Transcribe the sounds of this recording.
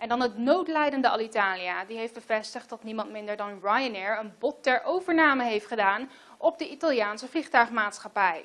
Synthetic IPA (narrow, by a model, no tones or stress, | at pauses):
ʔɛndɑnɦətnowtlɛjdəndəɑ̰litaːlijadiɦejfd̚bəvɛstəχt̚dɑtnimɑntmɪndəɹdɑnɹajənɛɹənbɔtːɛɹʔowvəɹnaːməɦejftχədaːn | ʔɔb̚dəʔitalˠjaːnsəvliχtœɥχmaːtsχapɛj